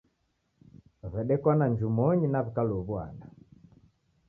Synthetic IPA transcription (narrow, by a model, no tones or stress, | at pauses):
βɛɗɛkwanaɲd͡ʒumɔɲinaβikalɔβua̰na